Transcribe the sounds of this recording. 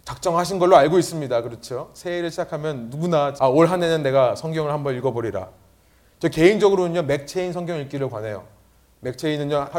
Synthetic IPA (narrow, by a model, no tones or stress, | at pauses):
t͡ɕak̚t͡ɕ͈ʌŋɦaɕʰinɡʌɭːoaɭɡois͈ɯmɲidakɯɾʌt͡ɕʰosʰeiɾɯɭɕʰid͡ʑakʰamjʌnːuɡunaaoɭɦanenɯnːe̞ɡasʰʌŋɡjʌŋɯɭhambʌniɭɡʌboɾiɾa̰ | t͡ɕʌke̞ind͡ʑʌɡɯɾonɯɲʌme̞k̚t͡ɕʰe̞insʰʌŋɡjʌŋiɭk͈iɾɯɭkwane̞jo̰ | me̞k̚t͡ɕʰe̞inɯnɲʌ